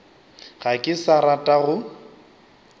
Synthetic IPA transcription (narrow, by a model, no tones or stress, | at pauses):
ɣakʼɪsaɾatʼaɣʊ